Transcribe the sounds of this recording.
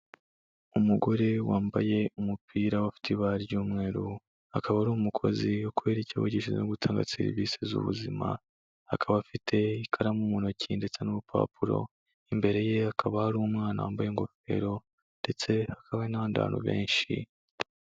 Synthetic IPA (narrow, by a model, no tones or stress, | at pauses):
umuɡo̞ɾe̞waːmbaje̞umupʰiːɾawafi̥tʰiβaɾjuːmŋe̞ːɾu | hakaβahaɾuumukʰo̞̰ziwo̞kuwe̞ːɾecia̰woɟiʃizḛnoɡutʰaːŋɡa̰seɾḭvisezṵβṵzima̰ | hakʰaβafitʰe̞ikʰaɾamumunocʰinde̞t͡se̞nuβupʰa̰puɾo̞̰ | imbe̞ɾe̞je̞hakʰaβahaɾuumŋaːna̰waːmbajeŋɡo̞fe̞̰ɾo̞ | nde̞t͡se̞hakʰaβanaβanda̰ːno̰βe̞̰ːnʃḭ